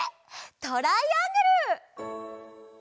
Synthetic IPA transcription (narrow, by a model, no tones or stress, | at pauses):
t̪oɾaiaŋɡɯɾɯ